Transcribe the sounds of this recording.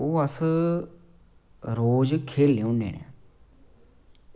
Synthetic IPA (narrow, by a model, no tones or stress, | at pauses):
oːəs | ɾoːd͡ʒkʰeːlːeõnḛːnḛː